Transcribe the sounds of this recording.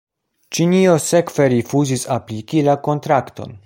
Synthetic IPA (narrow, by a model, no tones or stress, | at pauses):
t͡ʃinio̞se̞kve̞ɾifuzisaplikilako̞ntɾakto̞̰n